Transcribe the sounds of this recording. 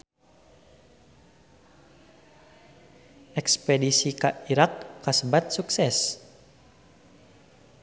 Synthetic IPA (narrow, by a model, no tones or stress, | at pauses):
ʔɛkspɛdisikaiɾakːasəbat̪̚suksɛs